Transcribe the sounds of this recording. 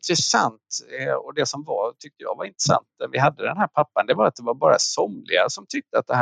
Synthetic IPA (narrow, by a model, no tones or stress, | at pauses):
nt̪ɾɛsa̰nt̪ɔd̪ɛsɔmvaɾt̪ʰʏk̚t̪əjɑ̰ːɡvaɾɪnt̪ɾəsa̰nt̪̚næɾvɪɦad̪ːəd̪ɛnɦæːɾpʰapːand̪ɛbɑːɾat̪̚d̪ɛvaɾbɑːɾa̰sɔmlɪɡasɔmt̪ʰʏk̚t̪əat̪̚d̪ɛɦ